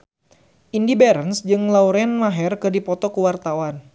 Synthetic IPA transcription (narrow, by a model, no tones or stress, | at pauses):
ʔindibɛɾənsd͡ʒɨŋlauɾɛnmaɦɛrkɨrdipɔt̪ɔkuwart̪awan